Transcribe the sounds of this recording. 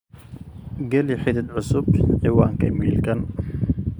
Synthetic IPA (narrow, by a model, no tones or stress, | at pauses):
ɡɐliħɪd̪ɪd̪ʕʊsʊbħɪwaːŋkʰɐ̰miːlkʰɐn